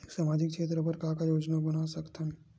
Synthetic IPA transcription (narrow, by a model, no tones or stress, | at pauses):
saːmad͡ʒikkʃet̪ɾəpəɾkakajoːd͡ʒnabənasəkt̪ʰan